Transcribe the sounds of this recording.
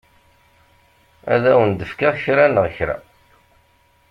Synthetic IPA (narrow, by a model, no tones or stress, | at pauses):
æ̰ðæwənd̪əfkaçɾænəʁçɾæ̰